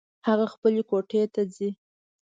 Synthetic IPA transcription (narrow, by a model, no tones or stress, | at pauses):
haɣaxpəlekoʈet̪azi